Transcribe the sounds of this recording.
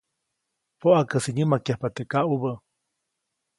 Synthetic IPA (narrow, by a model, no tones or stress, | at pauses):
poʔakəsiɲəmakjahpat̪ekaʔubə